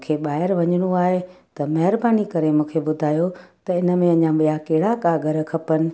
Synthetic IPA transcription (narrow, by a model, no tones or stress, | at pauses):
kʰeɓaːɪɾʋɐɲɽ̃uaːɦet̪ɐmɐɦɪɾbaːnikɐɾemũːkʰeɓʊd̪ʱaːjot̪ɐɪnə̆mẽɐ̃ɲãɓijakeɦɪɽakaɡʱɐɾkʰɐpənɪ̆